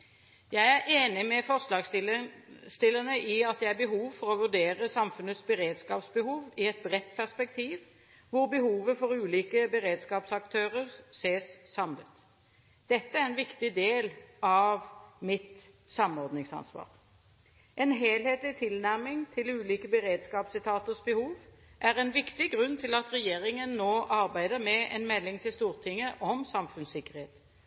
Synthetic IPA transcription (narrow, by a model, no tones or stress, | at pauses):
jæɪæɾʔeːnɪmɛfɔʁʂlɑːɡ | st̪ɪlːənəʔɪɑt̪̚d̪ɛæʁbəɦuːʋfɔʁɔʋʉʁd̪eːʁəsɑmfʉnət̪sbəɾeːd̪skɑːpsbəhuːʋɪɛt̪̚bʁɛt̪ːpʰæʁspɛk̚t̪ʰiːʋ | ʋʊɾbəɦuːʋəfɔɾʉːliːkəbəɾeːd̪skɑːpsɑkt̪ʰøːʁəʁseːsːɑmlʉ̰ːt̪ | d̪̥ɛt̪ːəæɾɛnʋɪkt̪ɪd̪eːlɑʋmɪt̪ | sɑmɔʁd̪nɪŋsɑ̰nsʋɑ̰ːʁ | ʔɛnɦeːlheːt̪lɪt̪ʰɪlnæʁmɪŋt̪ʰɪlʉːliːkəbəʁeːd̪skɑːpsɪt̪ʰɑːt̪əsbɛhuːʋ | ʔæʁɛnʋɪkt̪ɪɡʁʉnːt̪ʰɪlɑt̪ʁɛjeːʁɪŋənːoːʔɑʁbæɪd̪əʁmɛɛnmɛlːɪŋt̪ʰɪlst̪uːʁt̪ʰɪŋːəʔɔmsɑmfʉnsɪkːəʁheːt̪